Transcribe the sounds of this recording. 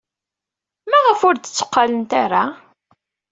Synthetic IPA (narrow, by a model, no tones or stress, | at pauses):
mæʁəfʊɾd̪ət͡sːʊ̥qːalənt̪aɾa